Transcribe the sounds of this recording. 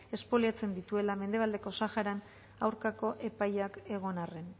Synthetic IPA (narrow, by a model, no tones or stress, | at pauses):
e̞spo̞liat͡se̞nd̪it̪ue̞lame̞nd̪e̞βald̪e̞ko̞saxaɾan | awɾkako̞ʔe̞pajake̞ɣ̞o̞nare̞n